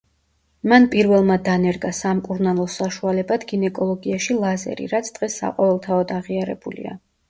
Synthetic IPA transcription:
manpʼiɾvɛlˠmad̪anɛɾɡasamkʼuɾnalˠɔsaʃualɛbad̪ɡinɛkʼɔlˠɔɡiaʃilˠazɛ̰ɾḭɾat̪sʰd̪̥ʁɛsːa̰qʼɔvɛlˠt̪ʰaɔd̪aʁiaɾɛ̰bulḭa̰

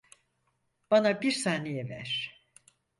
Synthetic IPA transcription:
b̥anabiɾsaːnejɛvæ̰ɾ̥

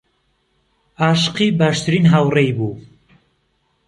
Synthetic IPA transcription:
aːʃɨ̥qibaːʃt̪ʰɨɾiːnɦawrejbuː

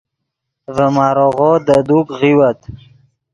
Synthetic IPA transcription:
vəmɑːɾoɣod̪əd̪ukɣiwat̪

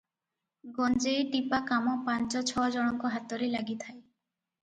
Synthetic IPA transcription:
ɡɔnd͡ʒejʈipakamɔpant͡ʃɔt͡ʃʰɔd͡ʒɔɽ̃ɔŋkɔɦat̪ɔɾelaɡit̪ʰae

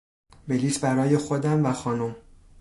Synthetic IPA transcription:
be̞liːsbæɾɒːje̞xod̪æmvæxɒːnom

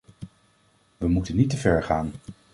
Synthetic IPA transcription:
ʋəmutənitəvɛɹχaːn

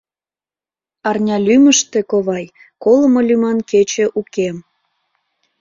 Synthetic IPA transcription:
ɑrnʲɑlʲyməʃt̪ekoβɑj | koləmolʲymɑnket͡ɕĕʔukem

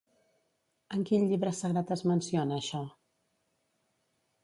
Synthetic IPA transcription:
əŋkinʎiβɾəsəɣɾat̪əzmənsionəːʃɔ

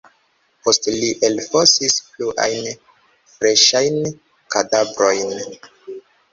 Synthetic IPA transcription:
po̞stliʔelfosispluʔa̰jn | fɾe̞ʃajn | kadabɾo̞jn

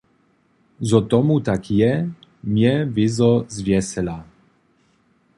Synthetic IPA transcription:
zɔt̪ɔmut̪akjɛmjɛvɪzɔzvjɛsɛla

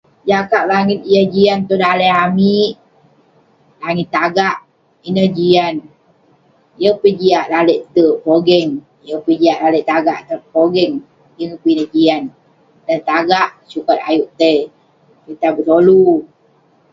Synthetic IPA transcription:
d͡ʒakaʔlaŋit̪̚jəhd͡ʒiant̪odaleamiʔ | laŋit̪ːaɡaʔ | inəhd͡ʒian | jəpəd͡ʒiaʔlaləʔt̪əpoɡɛŋ | jəpəd͡ʒiaʔlaləʔt̪aɡaʔt̪əpoɡɛŋ | jəŋəpinəd͡ʒian | dant̪aɡaʔsukat̪a̰juʔt̪ə | pit̪abət̪olu

